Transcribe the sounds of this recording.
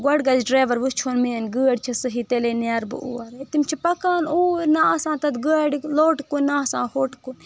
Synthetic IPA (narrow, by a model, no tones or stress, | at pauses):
ɡɐɽɡɐd͡ʒɖɾaːʋɐɾʋɨst͡ʃʰonmeːnɡəːɐɽt͡ʃʰisɨɦit̪eleːneɾbɨ̰ʔṵːɐɾt̪imt͡ʃʰipɐkaːnuːɾnaasãːt̪ɐt̪ɡəːɖiloːʈkunːasã̰ːhoːʈkunʲ